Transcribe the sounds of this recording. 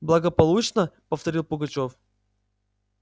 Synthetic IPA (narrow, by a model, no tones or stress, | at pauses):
blˠəɡəpɐlˠut͡ɕnəpəft̪ɐɾʲilˠpʊɡɐt͡ɕof